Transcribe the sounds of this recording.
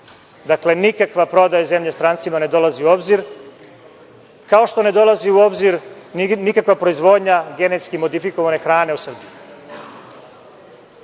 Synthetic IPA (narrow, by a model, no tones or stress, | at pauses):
d̪akle̞nikakʋapɾo̞d̪ajaze̞mʎest̪ɾaːnt̪simane̞d̪o̞laziuo̞bziɾ | kao̞ʃt̪o̞ne̞d̪o̞laziuo̞bziɾnikakʋapɾo̞izʋo̞ːd̪ɲaɡe̞net̪skimo̞d̪ifiko̞ʋane̞xɾaːne̞usr̩biju